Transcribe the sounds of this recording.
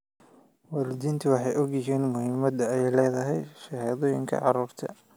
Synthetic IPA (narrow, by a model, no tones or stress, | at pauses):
wɑːlɪd̪iːnt̪ʰʊwɑħɑjʔɔɣjɪɦiːnmʊhɪmɐd̪ɐɛjlɛːðɐɦɛjʃɑɦɛːðɔːjɪ̰ŋkʰɐ̰ʕɑ̰ɾuːrt̪ʰɐ̰